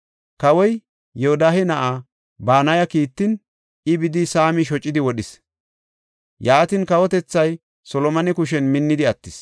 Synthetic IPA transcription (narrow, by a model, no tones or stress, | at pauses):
kɐwɔj | jɛhɔd̪aːhɛnɐʔa | baːnɐjɐkiːt̪ːɪn | ɪbɪd̪ɪsaːmɪʃ̬ɔt͡ʃʼːɪd̪ɪwɔɗɪs | jaːt̪ɪnkɐwɔt̪ɛt͡sːɐj | sɔlɔmɐnɛkʊʃɛnmɪnːɪd̪ɪɐt̪ːɪs